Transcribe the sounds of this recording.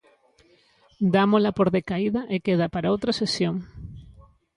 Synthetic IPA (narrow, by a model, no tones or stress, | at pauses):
d̪amolapoɾðekaiðaʔekeð̞apaɾaowt̪ɾasesjoŋ